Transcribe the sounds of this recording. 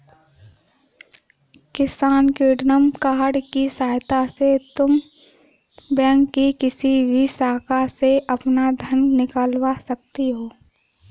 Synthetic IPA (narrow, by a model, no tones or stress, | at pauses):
kɪsaːnkɪɖnəmkaːɦɽkisaːjt̪aset̪ʊm | bɛ̃ːŋkːikɪsibʱisaːkaseʔɐpnad̪ʱənnɪkaːlwasɐk̚t̪eɦoː